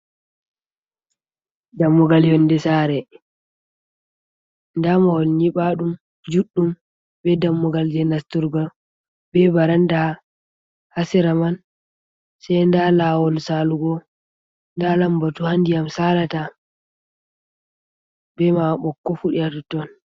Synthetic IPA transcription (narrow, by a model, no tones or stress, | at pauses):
damːuɡaljɔndɛsaːɾɛ | ndamawɔlɲiɓaɗum | d͡ʒuɗːum | bɛdamːuɡald͡ʒɛnastuɾɡɔ | bɛbaɾanda | hasiɾaman | sajndalawɔlsaluɡɔ | ndalambatuhandijamsalata | bɛmaɓɔkːɔfuɗiatutɔn